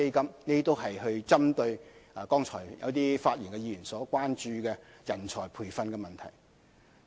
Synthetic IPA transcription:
e˥jkɐ˥mneː˥t̪o˥wɦɐ˨jɦɵ˧ɥt͡sɐ˥mt̪ɵ˧ɥkɔː˥ŋt͡ʃʰɔː˨˩jjɐ̰˨˧wt̪̬iː˥faː˧t̚ji˨˩nkɛ˧jiː˧jy˨˩nsɔː˨˥kwaː˥nt͡ʃyː˨kɛ˧ | jɐ˨˩nt͡ʃʰɔː˨˩jpʰuː˨˩jfɐ˧nkɛ˧mɐ˨nt̪ʰɐ̰˨˩j

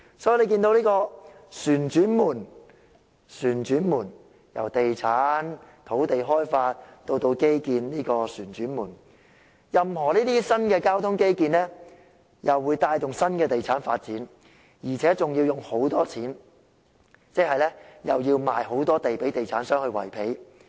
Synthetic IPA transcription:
sɔː˨˥ji˨˧le˨˧jk̬iː˧nt̪o˧wniː˥kɔː˧syː˨˩nt͡ʃyː˨˥nmuː˨˩n | syː˨˩nt͡ʃyː˨˥nmuː˨˩n | jɐ̰˨˩wt̪e˨jt͡sʰaː˨˥nt̪ʰo˨˥wt̪e˨jɦɔː˥jfaː˧t̚t̪o˧wt̪o˧wke˥jkiː˨nniː˥kɔː˧syː˨˩nt͡ʃyː˨˥nmuː˨˩n | jɐ˨mhɔː˨˩niː˥t̪iː˥sɐ˥nkɛː˧kaː˥wt̪ʰʊ˥ŋke˥jkiː˨nlɛː˥ | jɐ˨wːuː˨˧jt̪aː˧jt̪ʊ˨ŋsɐ˥nkɛː˧t̪e˨jt͡sʰaː˨˥nfa̰ː˧t̚t͡siː˨˥n | jiː˨˩t͡sʰɛː˨˥t͡sʊ˨ŋji˧wjʊ˨ŋho˨˥wt̪ɔː˥t͡sʰiː˨˥n | t͡sɛː˥k̚ɦɐ˨jlɛ˥jɐ˨wjiː˧wmaː˨jho˨˥wt̪ɔː˥t̪e˨jpe˨˥jt̪e˨jt͡sʰaː˨˥nsœː˥ŋhɵ˧ɥwɐ̰˨˩jpʰe˨˥j

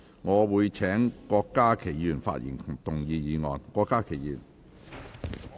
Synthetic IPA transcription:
ŋɔː˨˧wuː˨˧jt͡ʃʰɛː˨˥ŋkɔː˧kːaː˥kʰe˨˩jjyː˨˩nfa̰ː˧t̚jḭ˨˩nt̪ʊ˨˩ŋjiː˨˧jiː˨˧ŋɔ̰ː˨nkɔː˧kːaː˥kʰe˨˩jjyː˨˩n

